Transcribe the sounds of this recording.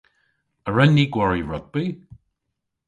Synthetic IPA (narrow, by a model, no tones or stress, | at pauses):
əɹɛnːiːɡwaɹiɹɔɡ̚bi